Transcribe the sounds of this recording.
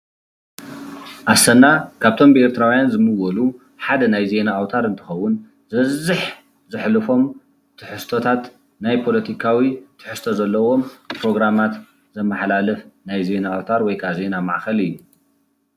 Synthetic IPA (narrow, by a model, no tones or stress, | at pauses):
ʔasɐnakʰaβt̪ʰo̞mbe̞ɾt̪ʰɨɾawjanzɨmɨwɐlu | ħad̪ɐnajze̞naːwt̪ʰaɾɨnt̪ʰɨ̥xɐwːʊn | zɨβɐzːɨħ | zɨħlɨfo̞m | t̪ʰɨħɨst̪ʰot̪ʰat̪ | najpʰo̞lɐt̪ʰikʰawit̪ʰɨ̥ħɨst̪ʰozɐlːɐwo̞mpʰɾo̞ɡɾamat̪ | zɐmːɐħlalɨfnajze̞naːwt̪ʰaɾwɔjkʰaze̞namaʕxɐlɨjːu